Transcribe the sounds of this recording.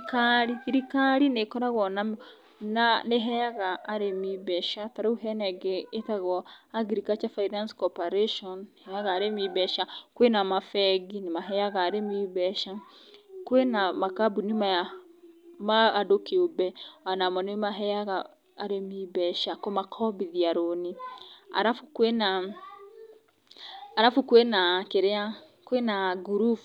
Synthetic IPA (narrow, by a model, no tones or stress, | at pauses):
ikaɾiɾikaɾinekɔɾaɣɔnam | naneɦɛjaɣaːɾemiβɛʃataɾauɦɛnɛɡeːtaɣɔaɡiɾikat͡ʃafainanskɔpaɾeʃɔnhɛjaɣaːɾemiβɛʃakwenamafɛɡinemaɦɛjaɣaːɾemiβɛʃa | kwenamakabunimaja | maːdokeobɛanamɔnemaɦɛjaɣaː | ɾemibɛʃakomakʰɔbiðiaɾonia̰ɾafukwena | ɾafukwenakeɾea | kwenaɡuɾuf